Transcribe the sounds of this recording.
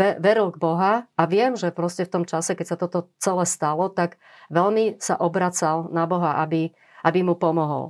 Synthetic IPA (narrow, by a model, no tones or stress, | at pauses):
ɛʋɛɾilˠɡ̚bɔɦaaʋɪɛmʒɛpɾɔscɛft̪ɔmt͡ʃasɛkɛcsat̪ɔt̪ɔt͡sɛlɛst̪alɔt̪aɡ | ʋɛlmisa̰ʔɔbɾat͡salnabɔɦaʔabi | ʔabimupɔmɔɦɔ̰l